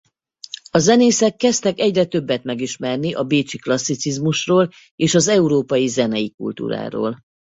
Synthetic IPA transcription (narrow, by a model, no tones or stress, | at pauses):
ɒzɛneːsɛkːɛst̪ɛkɛɟrɛt̪ø̞bːɛt̪mɛɡiʃmɛrniʔɒbeːt͡ʃiklɒsːit̪sizmuʃroːl | eːʃɒzɛuɾoːpɒjizɛnɛjikṵlt̪ṵːɾa̰ːɾo̰ːl